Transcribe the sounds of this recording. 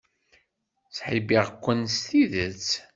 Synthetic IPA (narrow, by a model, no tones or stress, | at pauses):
sħibiʁkʷːənst̪iðət͡s